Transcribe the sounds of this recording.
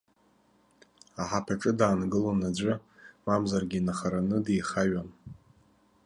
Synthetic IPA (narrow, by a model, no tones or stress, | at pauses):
aħapʰaʈ͡ʂʼɨdaːnɡɨlonad͡ʒʷʊmamzarɡʲinaχaɾanɨdijχaɥan